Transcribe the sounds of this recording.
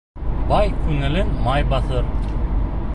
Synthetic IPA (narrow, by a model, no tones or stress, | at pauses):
bɑjkʰʉŋɘ̆lɘnmɑjbɑθɤɾ